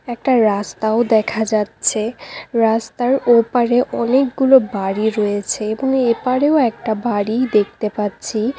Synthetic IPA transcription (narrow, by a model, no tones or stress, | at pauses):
ɛk̚ʈaɾast̪aod̪ɛkʰad͡ʑatːɕʰeɾast̪aɾopaɾeʔɔnekɡulobaɽiɾɔjet͡ɕʰeeboŋepaɽeoɛk̚ʈabaɽid̪ek̚ʰt̪epatːɕʰi